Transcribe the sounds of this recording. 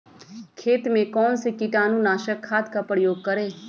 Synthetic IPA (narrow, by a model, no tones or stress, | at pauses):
kʰeːt̪mẽkɔːnsekɪʈaːnũːnaːʃəkʰːaːd̪kapəɾjoːɡ̚kəɾeː